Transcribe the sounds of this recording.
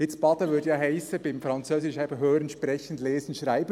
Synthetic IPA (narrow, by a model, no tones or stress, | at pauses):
jɪt͡sb̥ɑd̪əʋʏdjɑːɦaɪsəbɪmfɾɑnt͡søːsɪʃɛbəɦøːɾənʃpɾɛçən̩dleːzən̩ʃʁaɪbə